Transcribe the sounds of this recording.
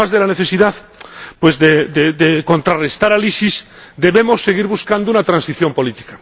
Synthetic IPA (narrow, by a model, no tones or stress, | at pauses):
azðelaneθe̞siðað | pwezðed̪ed̪eko̞nt̪ɾarest̪aɾalisis | d̪e̞βemosːe̞ɣiɾβuskand̪ounat̪ɾãnsiθjo̞mpo̞lit̪i̥ka